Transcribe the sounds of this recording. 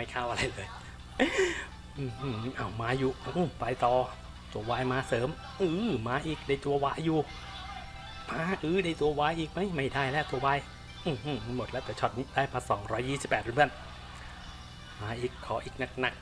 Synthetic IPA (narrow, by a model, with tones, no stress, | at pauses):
ma˥˩jkʰaː˥˩wʔa˧ɾa˧jlɤː˧j | ʔɯː˧˩˧ʔaː˧˩wmaː˧˥juː˨˩ʔʔpa˧jt̪ɔː˨˩ | t̪u˧ɐwaː˦˧˥jmaː˧˥sɤː˨˦m | ʔɯː˧maː˨˧˥ʔiː˨˩k̚da˧˩jt̪u˧ɐwaː˦˥jːuː˨˩ | maː˧˥ʔɯː˧da˧˩jt̪u˧ɐwaː˦˧˥jʔiː˨˩k̚ma˦˥jma˥˩jdaː˥˩jlɛː˦˥˩t̪u˧ɐwaː˧˥˩j | ʔɯː˧˩ʔɯ˧˩˧mo˨˩t̪̚lɛː˦˥wt̪ɛː˨˩t͡ɕʰɔ˧˩t̪̚niː˦˥daː˥˩jpʰa˧sɔː˩˦ŋɾɔː˦˥jːiː˥˩si˨˩pːɛː˨˩t̪̚ːbʰən | maː˨˧˥ʔiː˨˩kʰːɔː˨˦ʔiː˨˩k̚na˨˧˩k̚na˨˩k̚